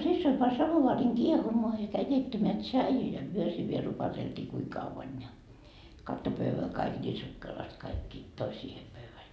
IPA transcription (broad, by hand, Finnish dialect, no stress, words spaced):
sisːoi pɑ sɑmoʋɑːriŋ kiehumoɑ jɑ kæi keitːæmeæ tʃɑiju jɑ myø siː ʋiel rupɑteltiː kui kɑʋːɑn jɑ kɑtːo pøʋːæ kɑik nʲiː sukːelɑst kɑikːi toi siːhe pøʋːæl